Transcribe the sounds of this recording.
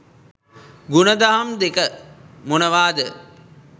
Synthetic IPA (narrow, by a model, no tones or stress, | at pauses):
ɡunəd̪aɦamd̪ekəmunəʋaːd̪ə